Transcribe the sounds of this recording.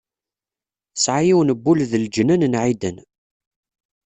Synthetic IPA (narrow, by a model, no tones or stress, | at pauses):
sʕajiwnəbːulðəld͡ʒnænnʕid̪ən